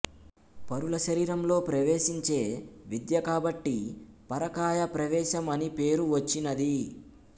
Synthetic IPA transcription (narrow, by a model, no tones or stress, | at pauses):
pɐɾulɐʃɐɾiːɾɐmlo̞ːpɾɐʋeːʃiɲt͡ʃe̞ːʋid̪jɐkaːbɐʈːipɐɾɐkaːjɐpɾɐʋɛːʃɐmɐnipe̞ːɾuʋɐt͡ʃːinɐd̪i